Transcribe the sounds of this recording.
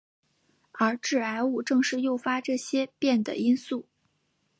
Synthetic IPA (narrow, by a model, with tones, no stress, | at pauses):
ə˞˧˥ʈ͡ʂɻ̩˥˩a˧˥ɪu˥˧ʈ͡ʂɤ˥˧ŋʂɻ̩˥˧jo˥˩ʊfa˥ʈ͡ʂɤ˥˩ɕjɛ˥pjɛ˥˩nd̪ə̰˩i˥nsu˥˩